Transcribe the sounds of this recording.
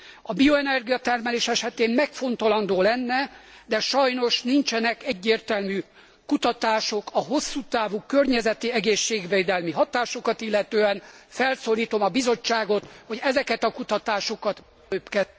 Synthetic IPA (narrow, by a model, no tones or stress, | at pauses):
ɒbioɛnɛrɡijɒt̪ɛrmɛleːʃɛʃɛt̪eːmmɛkfo̞nt̪ɒlɒnd̪oːlɛnːɛd̪ɛʃɒjno̞ʃnint͡ʃɛnɛkɛɟːeːrt̪ɛlmyː | kut̪ɒt̪aːʃo̞kɒɦo̞sːuːt̪aːvukørɲɛzɛt̪iɛɡeːʃːeːɡʋeːd̪ɛlmiɦɒt̪aːʃo̞kɒt̪ilːɛt̪øːɛnfɛlsoːliːt̪o̞mɒbizo̞t͡ʃːaːɡo̞t̪ho̞ɟɛzɛkɛt̪ɒkut̪ɒt̪aːʃokɒt̪ | øːpkɛ